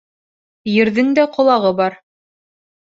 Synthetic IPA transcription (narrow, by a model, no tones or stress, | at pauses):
jɘ̆ɾðɘŋd̪æqŏlˠɑʁɤbɑɾ